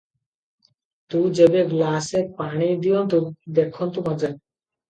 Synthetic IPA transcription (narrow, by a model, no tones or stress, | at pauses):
t̪ud͡ʑebeɡlasepaɽ̃id̪ijont̪ud̪ekʰːont̪umad͡ʑa